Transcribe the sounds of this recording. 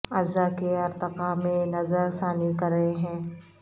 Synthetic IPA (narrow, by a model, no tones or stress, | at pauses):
ɐzakeɐɾt̪ɪqamẽnɐzəɾsaːnikɐɾɐɦeɦɛ̃ː